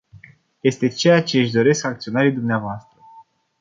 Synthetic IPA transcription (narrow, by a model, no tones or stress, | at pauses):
je̞st̪e̞t͡ʃe̞jat͡ʃe̞ɨʃd̪o̞ɾe̞skakt̪sio̞naɾijd̪umneavoast̪ɾə